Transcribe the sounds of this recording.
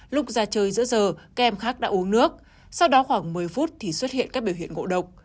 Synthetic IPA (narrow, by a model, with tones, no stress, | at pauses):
lʊ˦˥k͡p̚zaː˧t͡ɕəː˧jzɨ̰˧˥əzəː˨˩kaː˦˧ʔɛ˧mxaː˦˥k̚ɗa̰ː˧˥ʔu˨˦ənnɨ˦˥ək̚ | sa˧wɗɔ˨˦xwaː˧˩ŋmɨ˨˩əjfu˦˥t̚t̪ʰi˨˩swə˦˥t̚hḭ˧˨ənkaː˦˥k̚ɓi˧˩wɦḭ˧˨ənŋo̰˧˨ɗə˨˩wk͡p̚